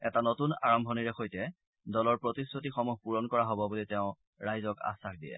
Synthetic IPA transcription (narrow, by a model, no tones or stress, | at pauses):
ɛtanotunaɹɔmbʱɔniɹɛxojtɛ | dɔlɔɹpɹotisotixɔmuxpuɹɔnkɔɹaɦobɔbulitɛʊ̃ | ɹajzɔka̰saxdijɛ̰